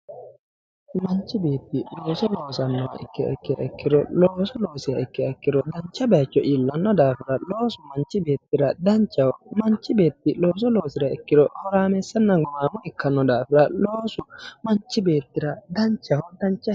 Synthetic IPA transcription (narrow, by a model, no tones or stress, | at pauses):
maɲt͡ʃibetːilɔsɔlɔsanːɔa̰ʔɛ̰kːɛɛ̰kːɛʔɛ̰kːiɾɔlɔsɔloːsiaɛkːɛɛkːiɾɔdaɲt͡ʃabɛt͡ʃːɔʔilːanːɔdafiɾaloːsumaɲt͡ʃibetːiɾadaɲt͡ʃawɔmaɲt͡ʃibetːilɔs̬ɔlosiɾaɛkːiɾɔhɔɾamɛsɛnːaɡɔmamuikːanːɔdafiɾaloːsumaɲt͡ʃibetːiɾadaɲt͡ʃahɔdaɲt͡ʃa